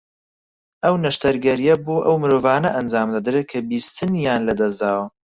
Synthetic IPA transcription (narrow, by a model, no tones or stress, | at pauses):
ʔɐwnɐʃt̪ɐɾɡɐɾijɐboːʔɐwmɨɾoːvaːnɐʔɐnd͡zaːmd̪ɐd̪ɾeːkʰɐbiːst̪ʰɨnjaːnlɐd̪ɐzd̪aːwɐ